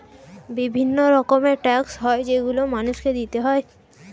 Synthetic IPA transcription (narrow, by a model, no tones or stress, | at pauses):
bibʱinːoɾɔkomeʈɛksɦɔed͡ʑeɡulomanuʃked̪it̪eɦɔe